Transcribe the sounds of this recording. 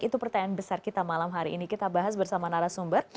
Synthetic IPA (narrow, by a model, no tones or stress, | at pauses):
kit̪upərt̪aɲanbəsarkit̪amalamɦaɾiʔːnikit̪abaɦasbərsamanaɾasumbər